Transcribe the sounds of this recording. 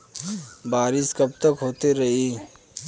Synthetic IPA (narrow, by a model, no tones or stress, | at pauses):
baːɾɪskɐb̚t̪əkɦoːt̪iɾɐɦiː